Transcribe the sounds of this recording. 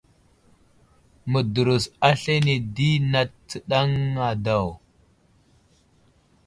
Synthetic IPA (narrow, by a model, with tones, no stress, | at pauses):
mə˨du˨ɾu˨sa˦ɬe˦ne˨di˦na˨tt͡sə˨ɗa˦ŋːa˨da˨w